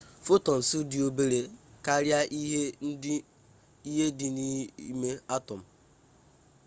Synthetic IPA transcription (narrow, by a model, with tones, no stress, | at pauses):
fo˦tɔ˨n̩˨su˦dɪ˨o˦be˦ɾe˨ka˦ɾja˦ʔi˦ɦe˦ɪ˦ | i˦ɦe˦dɪ˨ni˦me˦a˦tɔ˨m̩˨